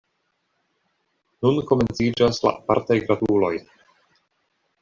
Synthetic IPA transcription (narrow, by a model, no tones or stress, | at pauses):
nunko̞me̞nt͡sid͡ʒasla̰ʔapa̰ɾtajɡɾadulo̞j